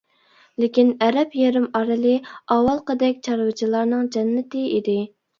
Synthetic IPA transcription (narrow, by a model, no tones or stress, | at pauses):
lɪkʲinɛɾɛpjeɾɪmɑɾɨlˠɨɑwɑlˠqəd̪ɛkʲt͡ʃʰɑɾwɨt͡ʃʰilˠɑɾnɨŋd͡ʒɛnːɪt̪ɪid̪ɪ